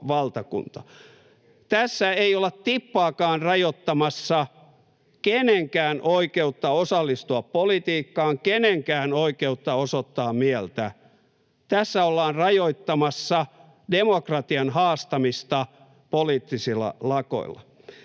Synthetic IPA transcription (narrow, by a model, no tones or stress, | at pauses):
ʋɑlt̪ɑkṵnt̪ɑ̥ | t̪æsːæeiolett̪ipːɑːkɑːnrɑjot̪ːɑmɑsːɑ | keneŋkæːnʔoikeut̪ːɑosɑlːist̪uɑppolit̪iːkːɑːŋkeneŋkæːnoikeut̪ːɑosot̪ːɑːmmiɛlt̪æ̰ | t̪æsːæolːɑːnrɑjoit̪ːɑmɑsːɑ | demokrɑt̪iɑnhɑːst̪ɑmist̪ɑ | poliːt̪ːisilːɑ̰lɑko̰ḭlːɑ̰